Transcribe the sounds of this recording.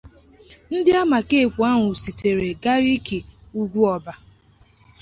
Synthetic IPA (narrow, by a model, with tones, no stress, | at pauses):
n̩˦dɪ˦a˦ma˨ke˦˨kʷu˨a˦ŋʷʊ˨si˨te˨ɾe˨ɡa˦ɾi˦ki˨u˦ɡʷu˦ɔ˨ba˦